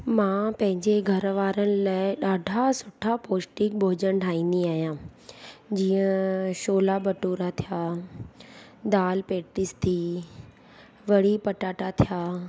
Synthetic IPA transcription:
mãːpɐ̃ɦɪ̃ɲd͡ʑeɡʱɐɾʋaːɾənɪ̆laːɪɗaːɖʱasʊʈʰapoːsʈɪ̃k̚bʱoːd͡ʑəñʈʰaːĩːnd̪iaːɦjãː | d͡ʑiːə̃ʃoːlabɐʈuːɾat̪ʰijaː | d̪aːlpeːʈɪst̪ʰiː | ʋɐɽipɐʈaːʈat̪ʰijaː

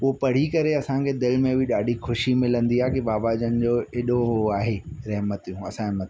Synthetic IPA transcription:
ʊɦopɐɽ̤ikɐɾeɐsãkʰed̪ɪlmẽbɪɗaːɖʱixʊʃimɪlə̃nd̪iaːkibaːbaːd͡ʑənɪ̆d͡ʑoːeːɗoaːɦeɾɐɦmət̪jũːɐsãɪɦmət̪

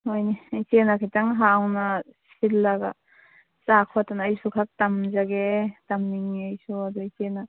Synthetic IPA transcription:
ojnijt͡ʃenakʰitaŋɦaːwnasilːaɡa̰ | t͡ʃakʰɔatanːjsukʰak̚tamzaɡetamniŋiajsuad̪ut͡ʃena

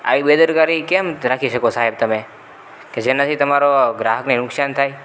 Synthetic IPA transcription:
a̰ːʋiɓeːd̪əɾkaːɾikɛmɾaːkʰiʃəkosaːɦɛb̚t̪ɐmẽ | ked͡ʒenat̪ʰit̪ɐmaːɾoɡɾaːɦəknenʊksaːnt̪ʰaːi

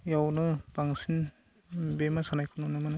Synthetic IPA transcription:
jawnɯbaŋsin | bemasanajkʰɯnɔnɯmanɯ

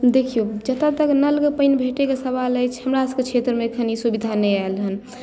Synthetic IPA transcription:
d̪ekʰijod͡ʒət̪ʰat̪əknəlkepəjnbʱeʈekesəβaləjt͡ʃʰɦəmɾasket͡ʃʰet̪ɾəmekʰənisubid̪ʱanəjaelɦən

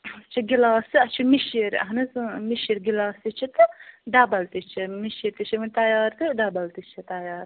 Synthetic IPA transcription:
t͡ʃʰiɡilaːsiɐt͡ʃʰimiʃiɾɐ̰ɦnɐzmiʃiɾɡilaːsit͡ʃʰit̪ɨɖaːbɐlt̪it͡ʃʰimiʃiɾt̪it͡ʃʰimɐnʲt̪ɐjaːɾt̪ɨɖaːbɐlt̪it͡ʃʰit̪ɐjaːɾ

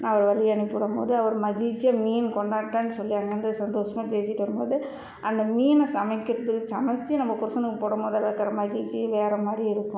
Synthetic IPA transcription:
naɐʋɐɾʋɐɭɪjɐnɪpːɯɽɐmbo̰ːðɯɐʋɐɾmɐɣɪlt͡ʃːijɐmiːnkɔɳɖaːʈːaːnːɯsɔlːijɐŋɡɐnd̪ɯsɐnd̪oːʂɐmaːpeːsɪʈːʋɐɾɯmboːðɯ | ʔɐnd̪ɐmiːnɐsɐmɐɪkːɪɾɐðɯkːsɐmɐt͡ʃːinɐmːɐkʊɾɐsɐnɯkːɯpoːɽɐmboːðɐðɐkːɐɾɐmɐɣɪɭt͡ʃːiʋeːɾɐmaːɾɾiɪɾɯkːʊ̃

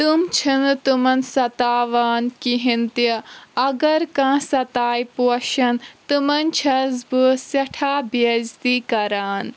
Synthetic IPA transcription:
t̪umt͡ʃʰɐnt̪umɐnsɐt̪aːʋaːnkiɦint̪jɐɐɡɐɾkãːsɐt̪aːjpuɐʃɐnt̪umɐnt͡ʃʰɐzbɨsɐʈʰaːbɐzt̪iːkɐɾaːn

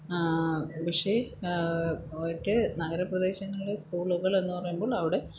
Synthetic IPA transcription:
ʋiʂe | okʲːenɐɣɐɾɐprɐd̪e̞ːɕɐŋːɐɭiɽeskuːɭuɣɐɭe̞nːupɐrɐjumbo̞ːɭɐʋiɽe̞

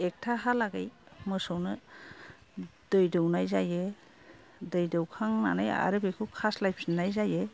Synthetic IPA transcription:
ek̚tʰaɦalaɡajmɯsɔwnɯ | d̥ɯjdɯwnajzaje | dɯjdɯwkʰaŋna̰naja̰ɾɯbekʰɯkʰaslajp̚ʰsinajzaje

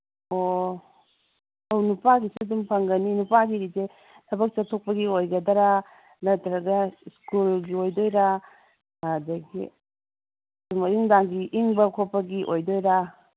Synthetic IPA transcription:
o | ɐwnupaɡisidumpʰɐŋɡɐninupaɡiɾize | tʰɐbɐk̚t͡ʃɐtʰok̚pɐɡiojɡɐdɐɾa | nɐtɾɐɡɐskulɡiojdojɾa | adɐɡḭ | dumɐiŋdaŋɡiʔiŋbɐkʰopːɐɡiʔojdojɾa

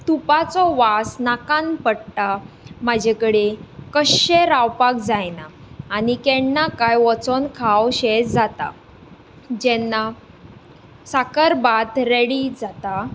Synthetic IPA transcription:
t̪upat͡sɔʋasnakãnpəɽt̪a | mad͡ʑʱekəɽekəɕeɾawpak̚d͡zajnaːnikɛɳnakajʋɔt͡sɔnkʰawɕed͡zd͡zat̪a̰ | d͡ʑɛnːa | sakəɾbat̪ɾeɽid͡zat̪a

